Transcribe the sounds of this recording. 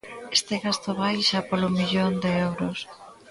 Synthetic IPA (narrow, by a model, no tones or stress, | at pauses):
est̪eɣast̪oβajʃapolomiʎond̪eewɾʊs